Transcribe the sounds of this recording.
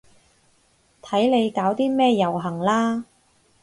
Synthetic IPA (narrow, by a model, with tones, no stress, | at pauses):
t̪ʰɐ˨˥jle˨˧jkaː˨˥wt̪iː˥mɛː˥jɐ˨˩wɦɐ˨˩ŋlaː˥